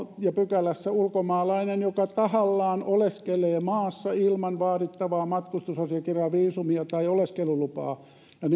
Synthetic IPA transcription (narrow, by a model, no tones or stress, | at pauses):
jɑpykælæsːæulkomɑːlɑinenjokɑt̪ɑhɑlːɑːnʔoleskeleːmɑːsːɑilmɑnʋɑːrit̪ːɑʋɑːmɑt̪kust̪usɑsiɑkirɑːʋiːsumiɑt̪ɑioleskelulupɑ̰ː | jɑn